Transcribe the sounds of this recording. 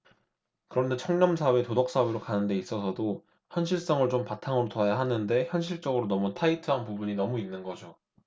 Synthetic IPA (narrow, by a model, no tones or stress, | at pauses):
kɯɾʌnde̞t͡ɕʰʌŋɲʌmsʰawetodʌk̚s͈aweɾokanɯnde̞is͈ʌsʰʌdo | çjʌnɕʰiɭs͈ʌŋɯɭt͡ɕompatʰaŋɯɾotʌajaɦanɯnde̞çjʌnɕʰiɭt͡ɕ͈ʌɡɯɾonʌmutʰaitʰɯɦanpubuɲinʌmuinːɯnɡʌd͡ʑo